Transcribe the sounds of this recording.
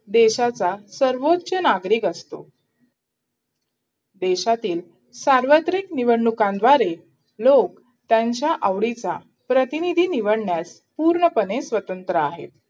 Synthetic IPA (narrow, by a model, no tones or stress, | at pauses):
d̪eɕat͡sasəɾʋot̪ːɕənaɡɾiːkəst̪o̰ | d̪eɕat̪iːl | saɾʋət̪ɾiːkniʋəɽɳukãnd̪ʋaɾe | lok | t̪jaɲt͡ɕjaʔəʋɽit͡sa | pɾət̪inid̪ʱiːniʋəɽɳjas | puːɾɳəpənesʋət̪ənt̪ɾəaɦḛt̪̚